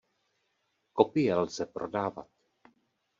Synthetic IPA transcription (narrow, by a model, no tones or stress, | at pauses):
ko̞pɪjɛlz̥ɛpɾo̞daːva̰t̪